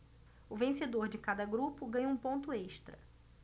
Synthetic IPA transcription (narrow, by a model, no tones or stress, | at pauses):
ʊvẽsed̪oɾd͡ʒɪkad̪ɐɡɾupʊɡɐ̃ɲ̃ũpõnt̪ʊeʃt̪ɾɐ̰